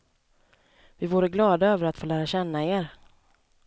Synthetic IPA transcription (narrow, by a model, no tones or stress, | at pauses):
vɪvuːɾəɡlɑːd̪aøːvəɾat̪foːlæːɾaɕɛnːaeːɾ